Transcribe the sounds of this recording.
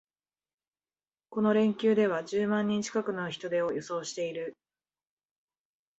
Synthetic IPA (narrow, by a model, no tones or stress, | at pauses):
ko̞no̞ɾẽ̞ŋkʲɨːd̪e̞β̞ad͡ʑɨːmãɲ̟ːĩɲ̟t͡ɕi̥kakɯ̟no̞çi̥t̪o̞d̪e̞ojoso̞ːɕi̥t̪e̞iɾɯ̟